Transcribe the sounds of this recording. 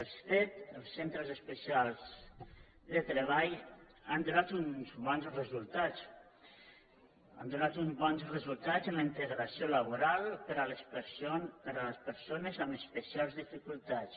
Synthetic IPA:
əlsfet̪əlˠsːent̪ɾəzəspəsialˠz | d̪ət̪ɾəβ̞aj | and̪unat̪unzβɔnzrəzulˠt̪at͡s | a̰nd̪unat̪unzβɔnzrəzulˠt̪azənləint̪əɣɾasiolaβ̞uɾalˠpəɾaləspəɾsopəɾaləspəɾsonəzaməspəsialˠzðifikulˠt̪as

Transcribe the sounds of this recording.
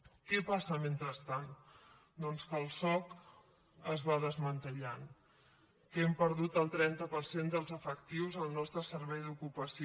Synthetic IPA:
kɛpasəment̪ɾəst̪an | d̪ɔnskəlˠsɔk | əzβaðəzmənt̪əʎan | kɛmpəɾðut̪əlˠt̪ɾɛnt̪əpəɾsend̪əlˠzəfəkt̪iwzəlˠnɔst̪ɾəsəɾβɛjðukupəsi

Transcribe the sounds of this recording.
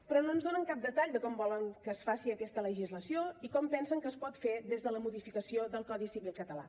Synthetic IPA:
pɾɔnoənzðonəŋkap̚d̪ət̪aʎd̪əkɔmbɔləŋkəːsfasiəkɛst̪ələʒizləsioikɔmpɛnsəŋkəːspɔt̪fedezðələmuðifikəsioðəlˠkɔðisiβilˠkət̪əla̰

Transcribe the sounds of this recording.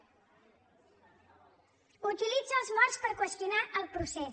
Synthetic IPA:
ut̪ilid͡zəlˠzmɔɾspəɾkwəst̪junaʔəlˠpɾusɛ

